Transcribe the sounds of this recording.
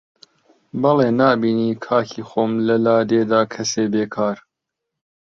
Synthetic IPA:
bɐleːnaːbiːniːkʰaːkʰiːxoːmlɐlaːd̪eːd̪aːkʰɐseːbeːkʰaːɾ

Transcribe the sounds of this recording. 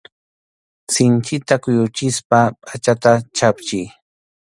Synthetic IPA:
sɪnt͡ʃɪt̪akʊjʊt͡ʃɪspapʼat͡ʃat̪at͡ʃapt͡ʃɪj

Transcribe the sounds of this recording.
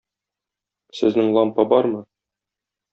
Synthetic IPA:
sɘ̆znɘŋlˠɒmpɑbɒɾmɤ

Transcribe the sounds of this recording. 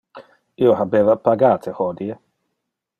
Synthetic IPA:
iohabeːvapaɡaːt̪ʰehɔd̪ie

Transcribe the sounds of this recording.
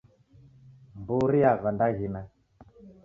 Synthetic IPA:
mbuɾiaɣandaɣina

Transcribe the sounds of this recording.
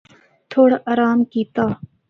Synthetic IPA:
t̪ʰoːɽaʔaːɾaːmkiːt̪aː

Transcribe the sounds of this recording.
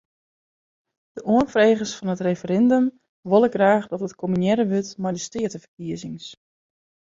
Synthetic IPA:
d̥əʔuənfreːɣəsfɔnətrefəɾɛndøm | ʋolˠəɡraːχdɔtətkʰomynjɛɾəʋøtmɛjdəstɪətəfərkiəzɪŋs

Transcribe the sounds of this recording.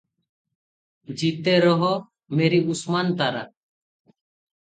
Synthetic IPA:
d͡ʒit̪ɛɾɔɦɔ | meɾiusmant̪aɾa̰

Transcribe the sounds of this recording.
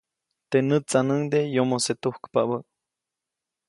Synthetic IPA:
t̪enɨt͡sanəŋd̪ejomoset̪uhkpaʔbəʔ

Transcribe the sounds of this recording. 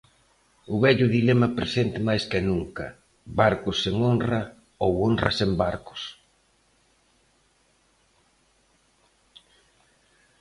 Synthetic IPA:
ʊβɛʎʊðilɛmɐpɾḛsent̪ɪmajskɪnuŋkɐ | βaɾkʊsːeŋonrɐ | owonrɐ̰sembaɾkʊ̥s

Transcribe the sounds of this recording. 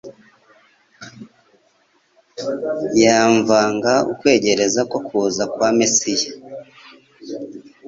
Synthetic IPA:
jaɱvaːŋɡaukwe̞ːɟe̞ɾe̞zakokuːzakwaːmesija

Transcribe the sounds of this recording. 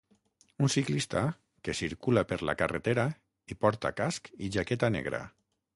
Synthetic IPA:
unsiklist̪a | kesiɾkulapeɾla̰karet̪eɾa | ipɔɾt̪a̰kaskiʒaket̪anḛɣɾa̰

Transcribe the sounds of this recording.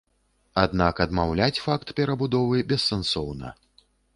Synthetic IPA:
ad̪nakɐd̪mawlʲat͡sʲfakt̪pʲɛɾɐbud̪ɔvɨbʲɛsːɛnsɔwnɐ̰

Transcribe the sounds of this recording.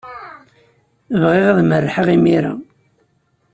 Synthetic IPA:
əvʁiʁæðmərːħəʁimiɾa̰

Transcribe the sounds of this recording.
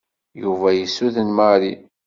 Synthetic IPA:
juvæjəsːuðənməɾi

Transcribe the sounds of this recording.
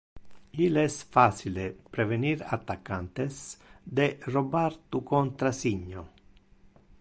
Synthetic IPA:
ilɛsfat͡ʃildepɾeveniɾat̪ːakːant̪esd̪erobaɾt̪ukont̪ɾasiɲːo

